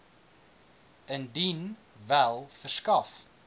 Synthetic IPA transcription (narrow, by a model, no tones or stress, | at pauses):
əndin | vælˠfərskɐf